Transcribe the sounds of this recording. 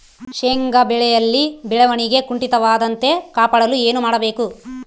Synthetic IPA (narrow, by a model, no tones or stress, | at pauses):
ʃeŋɡɐbɛɭɛjɐlːibɛɭɛʋɐɳiɡe̞kuɳʈit̪ɐʋaːd̪ɐnt̪e̞kaːpɐɽɐlue̞ːnumaːɽɐbe̞ːku